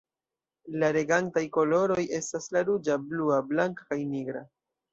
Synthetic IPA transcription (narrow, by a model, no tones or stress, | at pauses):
laɾe̞ɡantajkolo̞ɾo̞je̞staslaɾud͡ʒabluablaŋkḁkajniɡɾa̰